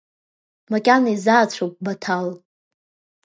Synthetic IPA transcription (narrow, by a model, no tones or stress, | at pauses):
makʲʼanizaːt͡ɕʷʰowp̚ʼbatʰal